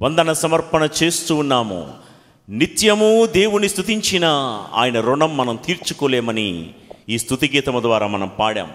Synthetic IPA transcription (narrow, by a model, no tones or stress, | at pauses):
ʋɐnd̪ɐnɐsɐmɐɾpɐnɐt͡ʃe̞ːst̪uːnːaːmṵ | nit̪jɐmud̪e̞ːwunist̪ʰut̪̬iɲt͡ʃinɐa̰ːjɐnɐɾuɳɖɐmːɐnɐmt̪iːɾt͡ʃukɔːleːmɐniiːst̪ʰut̪iɡɛːt̪ɐmɐd̪ʋaːɾaːmɐnɐmpaːɽa̰ːmu